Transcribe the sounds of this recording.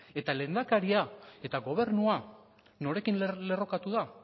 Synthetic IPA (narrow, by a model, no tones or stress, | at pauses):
e̞t̪ale̞nd̪akaɾiae̞t̪aɣo̞β̞e̞ɾnua | no̞ɾe̞kinle̞ro̞kat̪uða